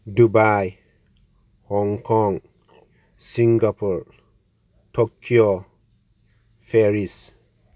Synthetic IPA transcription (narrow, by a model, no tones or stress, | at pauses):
dubaj | hɔŋkɔŋ | siŋɡapuɾ | tokʰːio | feɾis